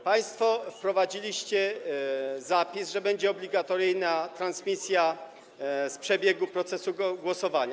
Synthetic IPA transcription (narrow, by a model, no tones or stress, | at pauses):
paj̃st̪fɔfpɾɔvad͡ʑilʲiɕt͡ɕɛ | zapʲizʐɛbɛɲd͡ʑɛɔblʲiɡat̪ɔɾɘjnat̪ɾansmʲisʲja | spʂɛbʲjeɡupɾɔt̪sɛsuɡwɔsɔvaɲa